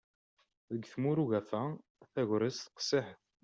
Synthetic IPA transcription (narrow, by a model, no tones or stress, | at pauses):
ðəɡθmuɾuʝæfæ | θæʝɾəsθə̥qsɪħθ